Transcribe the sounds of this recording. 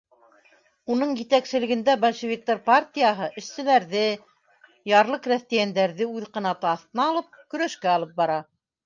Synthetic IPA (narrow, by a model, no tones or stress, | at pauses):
unɤɴjɘ̆t̪æksɘ̆lɘ̆ɡɘ̆nd̪æbɐlʲʃɘ̆vʲik̚t̪arpart̪ʲijaɦɤʔɘ̆ʃsɘ̆læɾðɘ | jɑɾlˠɤqræθt̪æjænd̪æɾðɘʉðqɤ̆nɑt̪ɤɑθt̪ɤ̆nɑːlˠɤp̚kɵ̆ɾæʃkæɑlˠɤp̚bɑɾɑ